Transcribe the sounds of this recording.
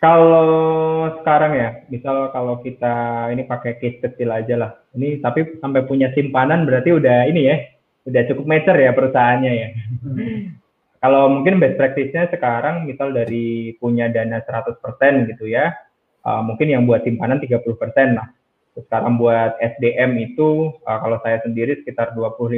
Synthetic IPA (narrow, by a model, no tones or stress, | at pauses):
kalosə̥kaɾaŋjamisalkalokit̪ainipakɛkis̚kət̪ɪlad͡ʒalah | init̪apisampajpuɲasimpananbəɾart̪iudahinija | udaht͡ʃukʊp̚met͡ʃərjapəɾusaɦanɲaja | kalowmuŋkɪnbɛspɾɛk̚t̪ɪsɲasəkaɾaŋmisaldaɾipuɲadanasəɾat̪ʊspərsɛnɡit̪uja | ʔə̰muŋkɪnjaŋbuat̪simpanant̪iɡapulʊhpərsɛnlah | sə̥kaɾaŋbuat̪̚ɛsdeʔɛmit̪uəkalowsajasəndiɾisə̥kit̪arduapulʊli